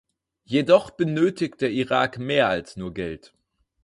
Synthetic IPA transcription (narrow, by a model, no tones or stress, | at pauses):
jedɔχb̥ənøːtɪkt̚d̥eːɐʔiʁa̰ːkmeːɐalsnuːɐɡɛlt